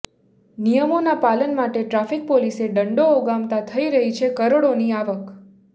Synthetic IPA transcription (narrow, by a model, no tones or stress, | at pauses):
nijəmonapalənmaʈeʈɾafik̚poliseɖəɳɖooɡamt̪at̪ʰəiɾəɦit͡ʃʰekəɾoɽoniaʋək